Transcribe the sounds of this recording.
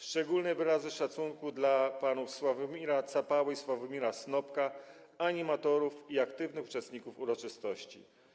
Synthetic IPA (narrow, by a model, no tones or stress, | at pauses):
ʂt͡ʂɛɡulnɛvɘɾazɘʂat̪suŋkud̪lapanufswavmʲiɾat̪sapawɘiswavɔmʲiɾasnɔpka | aɲimat̪ɔɾufiakt̪ɘvnɘxu̥t͡ʂɛst̪̚ɲikufuɾɔt͡ʂɘst̪ɔɕt͡ɕḭ